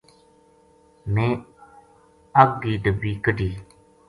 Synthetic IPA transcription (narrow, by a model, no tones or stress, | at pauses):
ni | aɡidəbikədi